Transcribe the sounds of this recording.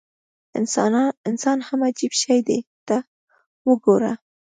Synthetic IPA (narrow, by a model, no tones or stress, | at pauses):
ɪnnɪnsɑnhamad͡ʒibʃajd̪et̪a | wəɡoɾa